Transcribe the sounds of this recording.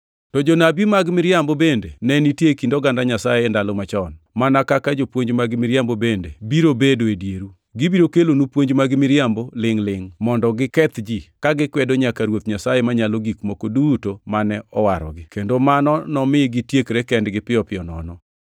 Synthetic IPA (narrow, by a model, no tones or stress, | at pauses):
tɔd͡ʒonabimaɡmɪɾjambobendenɛnitjekindoɡandaɲasajendalɔmat͡ʃɔn | manakakad͡ʒopwoɲd͡ʒmaɡmɪɾjambobendebiɾobedoedjeɾu | ɡibiɾokelonupwoɲd͡ʒmaɡɪmɪɾjambolɪŋlɪŋmɔndɔɡɪkɛt̪d͡ʒikaɡɪkwɛdoɲakaɾwot̪ɲasajemaɲaloɡikmokodutomanɛɔwaɾɔ̰ɡɪkendomanɔnɔmɪɡɪtjekɾekɛndɡɪpɪɔpɪɔnɔ̰nɔ